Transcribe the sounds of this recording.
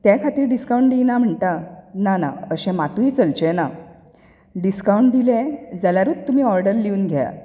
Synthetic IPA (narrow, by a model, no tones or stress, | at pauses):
t̪jakʰat̪iːɾɖiskawɳʈd̪ijnam̤əɳt̪anana̰əɕɛ̃mat̪ũiːt͡səlt͡ɕena | ɖiskawɳʈd̪ilẽd͡zaljaɾuːt̪t̪ːum̤iːɔɾɖəɾliuːnɡʱaa̰